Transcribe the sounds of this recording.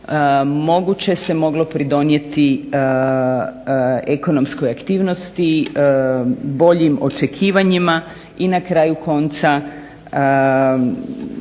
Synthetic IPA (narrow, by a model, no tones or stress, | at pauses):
mo̞ɡut͡ɕe̞se̞mo̞ɡlo̞pɾid̪o̞nje̞t̪i | eko̞no̞mskojakt̪iːʋno̞st̪i | bo̞ʎimo̞̰t͡ʃe̞kʰiːʋaɲima | inakɾaːjukʰo̞nt̪sa